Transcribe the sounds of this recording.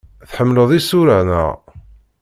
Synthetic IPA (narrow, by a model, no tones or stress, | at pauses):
θħəmːləðˤisuɾənə̰ʁ